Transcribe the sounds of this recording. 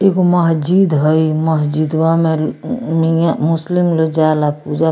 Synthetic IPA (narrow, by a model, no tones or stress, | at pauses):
ekoməɦd͡ʒid̪ɦəiməsd͡ʒid̪wamẽmijamʊslimlod͡ʒalapud͡ʒa